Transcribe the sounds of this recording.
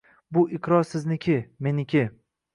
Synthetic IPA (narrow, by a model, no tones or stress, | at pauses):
bʊʔɪqɾɒɾsɪznɪkʲʰɪme̞nɪkʲɪ